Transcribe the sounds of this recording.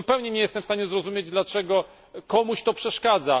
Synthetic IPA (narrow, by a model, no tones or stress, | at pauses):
upɛwɲɛɲɛjɛst̪ɛmfst̪aɲɛzɾɔzumʲjed͡ʑd̪lat͡ʂɛɡɔ | kɔmuɕt̪ɔpʂɛʂkad̪za